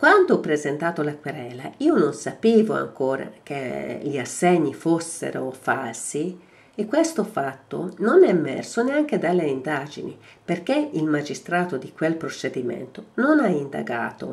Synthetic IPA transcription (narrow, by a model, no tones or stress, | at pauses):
kwand̪oɔpːɾezent̪aːt̪olakweɾɛːlaiːononsapiːvoa̰ŋkoːɾa̰k̟eʎiasːɛɲːifosːḛɾo̰falsi | ekːwest̪ofat̪ːo̰nonɛmːɛ̰rsoneaŋk̟ed̪alːeind̪ad͡ʒḭnḭ | perkeilmad͡ʒist̪ɾaːt̪od̪ikwelpɾot͡ʃed̪imḛnt̪ononaind̪a̰ɡa̰ːt̪o̰